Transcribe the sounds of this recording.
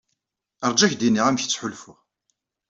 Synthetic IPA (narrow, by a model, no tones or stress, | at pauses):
əɾˤd͡ʒæçd̪inːiʁæmçt͡sːħʊlfʊʁ